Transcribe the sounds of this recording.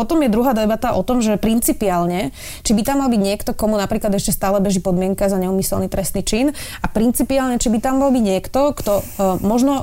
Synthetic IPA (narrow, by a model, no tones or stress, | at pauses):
pɔt̪ɔmjɛd̪ɾuɦaːd̪ɛbat̪aʔɔt̪ɔmʒɛpɾint͡sipiaːlɲɛ | t͡ʃibit̪amːalbiɟɲɪɛkt̪ɔkɔmunapɾiːklad̪ɛʃcɛst̪aːlɛbɛʒipɔd̪mɪɛŋkazaɲɛuːmisɛ̰lnit̪ɾɛst̪niːt͡ʃin | apɾint͡sipiaːlɲɛt͡ʃibit̪amːalbiɟɲɪɛkt̪ɔkt̪ɔmɔʒnɔ